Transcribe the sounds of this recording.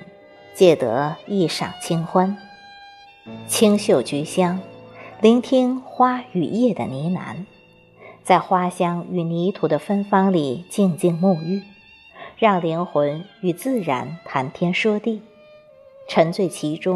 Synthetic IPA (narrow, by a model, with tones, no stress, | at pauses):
t͡ɕjɛ˥˩t̪ɤ̰˧˥i˥˩ʂɑ̰˨˩ŋt͡ɕʰi˥ŋxwa˥n | t͡ɕʰi˥ŋɕjo˥˩ʊt͡ɕy˧˥ɕjɑ˥ŋli˧˥ŋt̪ʰi˥ŋxwa˥y˨˩jɛ˥˩d̪ə̰˩ni˧˥na̰˧˥n | t͡sa˥˩ɪxwa˥ɕjɑ˥ŋy˨˩ni˧˥t̪ʰu˧˥˩d̪ə˧fə˥nfɑ˥ŋli˨˩t͡ɕi˥˧ŋt͡ɕi˥˧ŋmu˥˧y˥˩ | ɻɑ˥˩ŋli˧˥ŋxwə˧˥ny˨˩t͡sɹ̩˥˩ɻa̰˧˥nt̪ʰa˧˥nt̪ʰjɛ˥nʂɤ˥t̪i˥˩ | ʈ͡ʂʰə˧˥ŋt͡swe˥˩ɪt͡ɕʰi˧˥ʈ͡ʂʊ˥ŋ